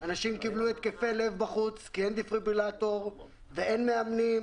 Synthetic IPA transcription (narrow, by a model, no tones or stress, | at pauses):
anaʃimkibluet̪̚kefelevbaχut͡skiend̪ifʁibilat̪oʁ | vee̞nmeamnim